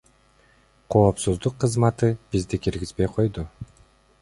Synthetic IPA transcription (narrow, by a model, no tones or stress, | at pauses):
qʰo̞ːpsuzd̪uqʰːɯzmɑt̪ɯbizd̪ikiɾɡizbe̞jqʰo̞jd̪u